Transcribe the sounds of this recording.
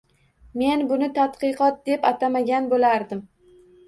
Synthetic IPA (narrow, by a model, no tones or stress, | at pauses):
me̞nbʊnɪt̪ʰat̪qɨqɒt̪̚d̪e̞pat̪ʰamaɡʲanbolaɾd̪ɪm